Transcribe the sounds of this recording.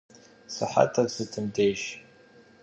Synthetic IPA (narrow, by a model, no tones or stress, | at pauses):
saħa̰tʰasɨtʰɨmdejʃ